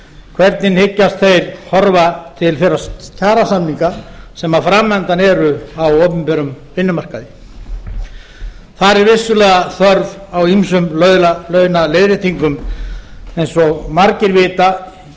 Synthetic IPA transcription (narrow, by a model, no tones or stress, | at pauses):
kʰvɛɾt̪nɪnhɪcːast̪θejɾ̥hɔɾvat̪ʰɪlfɛɾac̪ʰaːɾasamniŋkasɛmaðfɾamːɛnt̪anɛɾʏawowpʏmpɛɾʏm | vɪnːʏmar̥kaðɪ | θaɾɛɾvɪsːʏlɛːɣaθœɾvawimsʏmlœðlalœɥnalejðɾɪt̪ʰiŋkʏm | ɛjnsɔɣmaɾcɪɾvɪːt̪a